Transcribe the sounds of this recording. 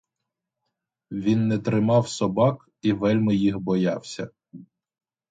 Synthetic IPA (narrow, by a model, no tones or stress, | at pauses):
ʋʲinːɛt̪ɾɪmɑwsɔbɑk | iʋɛlʲmɪjixbɔjɑwsʲɐ